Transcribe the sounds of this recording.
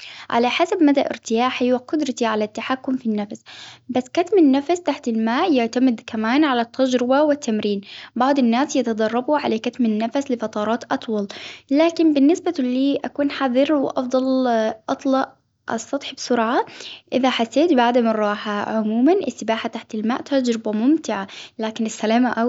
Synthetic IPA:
ʕa̰laħasabmad̪aʔɪ̰ɾt̪ɪjaːħiwaqʊd̪ɾˤɑt̪iʕalat̪ːaħakːʊmfinːafsbasːkat̪mɪnːafast̪aħt̪ɪlmaːʔjɪʕt̪amɪd̪kamaːnʕalat̪ʰːad͡ʒɾɪbawɪt̪ʰːamɾiːnbɑʕd̪ˤɪnːaːsjɪt̪ɑd̪ˤɑrˤːɑbuʕa̰lakat̪mɪnːafaslɪfɑt̪ˤɑːɾˤɑːt̪ʔɑt̪ˤwɑllaːkɪnbɪnːɪsbaliːʔakuːnħaðˤɨɾwɪʔɑfd̪ˤɑlʔɑt̪ˤlɑʔ | ʔɑ̰st̪ɑt̪ˤħbsʊɾʕaʔɪðaħasːeːt̪baʕd̪amɑrˤːɑːħaʕʊmuːmanʔɪ̰sːɪbaːħat̪aħt̪ɪlma̰ːʔt̪ad͡ʒɾɪbamʊmt̪ɪʕalaːkɪnɪsːalaːmaʔa

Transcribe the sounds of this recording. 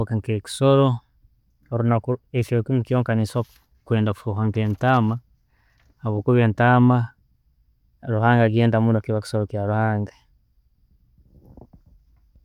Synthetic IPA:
kaŋkeki̥soɾo | ɾunakueʃokimukijoːŋkaniso | kweːndaku̥fuxaŋkeːntama | aβokuβeːntama | ɾuhaːŋɡaɡeːndamunokiβaki̥soɾokjaɾuhaːŋɡa

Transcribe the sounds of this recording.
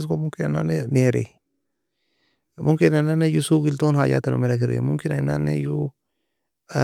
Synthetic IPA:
skomuŋkinananeneɾḛ | mukinananejusuɡiltonhad͡ʒa̰tano̰meɾak̬iɾɡḛmuŋkinana̰nḛju

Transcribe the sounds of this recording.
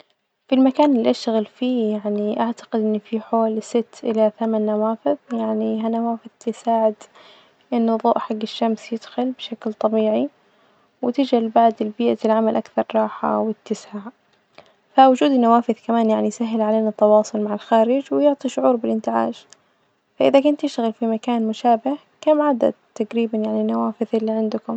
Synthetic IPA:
filmakaːnɪlːiʔaʃt̪aɣalfiːjaʕniʔaʕt̪ḁqɪd̪ʔɪnːfiħoːlsɪt̪ːʔɪlaθamanːawaːfɪðjaʕniɦanawaːfɪðjsaːʕɪd̪ | ʔɪnːʊðˤoːʔħaɡːɪʃːamsjɪd̪̥xʊlbʃaklt̪ˤɑbiːʕi | wɪt̪ɪd͡ʒalbaʕd̪ɪlbiːʔafɪlʕamalʔakθɑɾˤɾˤɑːħa̰wɪt̪ːɪsʕaʕ | fawʊd͡ʒuːd̪ɪnːawaːfɪðkamaːnjaʕnijsaɦːɪlʕaleːnat̪ːɑwɑːsˤʊlmaʕalxaːɾɪd͡ʒwɪjʊʕt̪ˤiʃʊʕuːɾbɪlʔɪnt̪ɪʕa̰ːʒ | faʔɪðakʊnt̪ːɪʃt̪ɣalfimakaːnmʊʃaːbɪh | kamʕad̪a̰d̪̚t̪ːaɡɾiːbanjaʕninːawaːfɪðʔɪlːiʕɪnd̪ʊkʊm

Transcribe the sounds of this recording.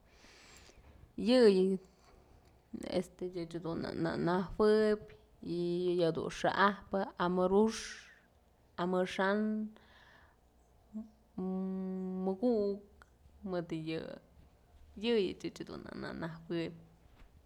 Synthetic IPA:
jɨjɨ | ḛst̪ejɨt͡ʃd̪una̰na̰ʔnahwɨbʲ | ijad̪ṵnʂa̰ʔahpɨʔamɨɾuʂ | amɨʂan | mɨɡuʔk̚ | mɨd̪ɨjɨ | jɨjɨ̰t͡ʃɨt͡ʃd̪ṵna̰na̰nahwɨp̚ʲ

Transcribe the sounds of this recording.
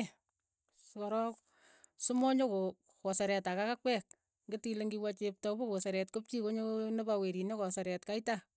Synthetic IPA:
skɔɾɔk | sʊmɔɲoko | kɔsaɾɛtakakak̚wɛk̚ | ŋɡɪtileŋɡiwat͡ʃep̚tɔbokosɛɾɛtkop̚t͡ʃikoɲonebaweɾinɔkɔsaɾɛtkaita

